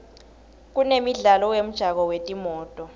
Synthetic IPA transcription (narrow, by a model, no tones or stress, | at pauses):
k̬unemiɮalɔjem̩d̥ʒ̥ʱak̬ɔwetʼimɔːtʼɔ